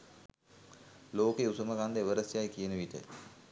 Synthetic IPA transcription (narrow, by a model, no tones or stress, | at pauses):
loːkeusəməɡand̪əeʋəɾəsjajkijənəʋiʈə̰